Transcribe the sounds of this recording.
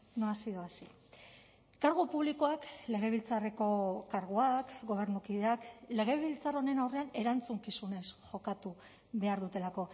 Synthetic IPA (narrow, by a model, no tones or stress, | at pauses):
noasiðoasi | kaɾɣupuβlikoakle̞ɣ̞e̞β̞ilt͡sare̞ko̞kaɾɣ̞uakɡo̞β̞e̞ɾnukiðe̞akle̞ɣ̞e̞βilt͡saro̞ne̞nawre̞ane̞ɾant͡suŋkisune̞sʝo̞kat̪u | βe̞aɾðut̪e̞lako̞